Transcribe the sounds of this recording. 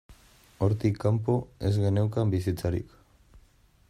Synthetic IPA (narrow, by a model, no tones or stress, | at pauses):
o̞ɾt̪ikːampoe̞zɣe̞ne̞wkambis̬it͡saɾḭk